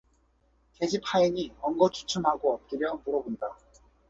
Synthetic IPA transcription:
ke̞d͡ʑipʰaiɲiʌŋɡʌt͡ɕʰu̥t͡ɕʰumɦaɡoʌp̚k͈iɾjʌmuɾʌbonda

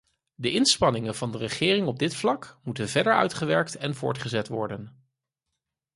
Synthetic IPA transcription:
dəʔɪnspɑnɪŋənvɑndərəχɪːrɪŋɔb̚dɪtflɑkmutənvɛdəɹœ̰ɥtχəʋɛɹk̚tɛnvʊ̰ːɹtχəzɛtʋɔɹdən

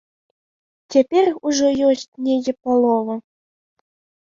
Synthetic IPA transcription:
t͡sʲapʲɛruʐɔjɔsʲt͡sʲnʲejʲɛpalˠɔvɐ

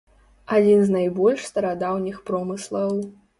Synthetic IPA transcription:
ad͡zʲinznajbɔlʲʂst̪ɐɾad̪awnʲixpɾɔmɨslˠɐw

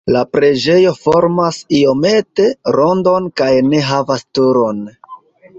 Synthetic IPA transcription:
lapɾe̞d͡ʒe̞jo̞fo̞ɾmasio̞me̞te̞ɾo̞ndo̞nkajne̞ɦavastuɾo̞n

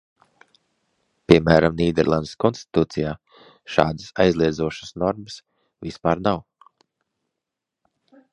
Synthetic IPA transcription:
pʲiɛmæːɾamniːd̪ɛɾlˠa̰nd̪skɔnst̪i̥t̪uːt̪sijaː | ʃa̰ːd̪əsajzlˠiɛd̪zuɔʃə̥snɔɾməs | vispaːɾnaw

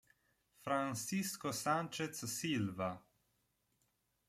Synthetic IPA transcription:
fɾansiskɔsant͡ʃɛt̪ssilva

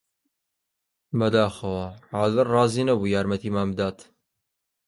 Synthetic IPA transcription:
bɐd̪aːxɐwɐʕaːzɨrrɑːziːnɐbuːjaːɾmɐt̪iːmaːmd̪aːt̪

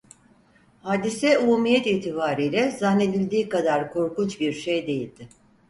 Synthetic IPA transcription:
haːd̪isɛumumijɛt̪iːt̪ʰibaːɾiːjlʲɛzanːe̞d̪ilʲd̪iːkad̪aɾkʰo̞ɾkut͡ʃbiɾʃejd̪e̞jilʲd̪̥ɪ

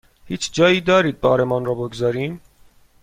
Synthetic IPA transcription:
hit͡ʃʰd͡ʒɑjid̪ɑɾid̪̚pɑɾɛmɑnrɑbɔɡzɑɾin

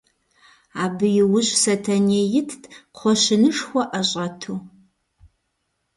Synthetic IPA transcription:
aːbɨjɪwʊʑsɐtʰɐneːjɪtʰqʷʰɔʃɪnɨʂxʷɔʔɐɕʼɐtʰuː

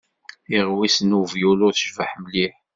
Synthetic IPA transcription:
iʁwisnuvjulʊɾθəʒvəħməliħ

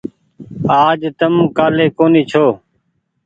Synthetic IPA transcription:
aːd͡ʒt̪əmkaːleːkoːniːt͡ʃʰoː

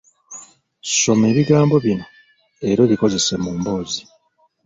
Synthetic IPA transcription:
ʃo̞me̞ːβiɡaːmbo̞βina | eɾo̞liko̞ze̞se̞muːmbo̞ːzi

